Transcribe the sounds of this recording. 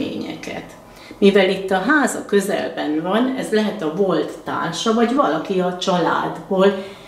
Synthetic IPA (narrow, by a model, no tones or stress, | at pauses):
ḛːɲɛ̰kɛ̰t̪ | mivɛlit̪ːɒɦaːzɒkø̞zɛ̰lbɛnvɒnɛzlɛɦɛt̪ɒvo̞lt̪ːa̰ːrʃɒvɒɟvɒlɒkiɒt͡ʃɒla̰ːd̪boːl